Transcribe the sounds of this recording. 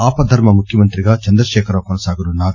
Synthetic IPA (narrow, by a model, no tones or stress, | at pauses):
aːpɐd̪ʱɐɾmɐmukʰjɐmɐnt̪ɾiɡɐt͡ʃɐnd̪ɾɐʃeːkʰɐɾɐʋɐkɔnɐsaːɡuɾunaːɡ